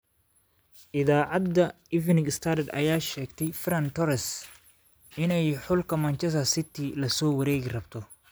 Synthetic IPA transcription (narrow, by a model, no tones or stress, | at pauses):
ʔɪðaːʕɑd̪ɐ | ɪvnɪŋɪst̪ʰɐɾd̪ɐ̰jaːʃɛːɡt̪ʰɛjfɾɐnt̪ʰɔɾɛs | ɪnɛjħʊlkʰɐmɐnt͡ʃɛs̬ɐsɪt̪ʰɪlɐsɔːwɐɾɛːɡɪrɐbt̪ʰɔ